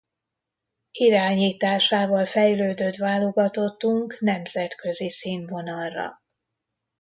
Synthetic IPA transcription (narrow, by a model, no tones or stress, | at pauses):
iɾaːɲiːt̪aːʃaːvɒlfɛjløːd̪øt̪vaːlo̞ɡɒt̪o̞t̪ːuŋknɛmzɛt̪kø̞zisiːnvo̞nɒrːɒ̰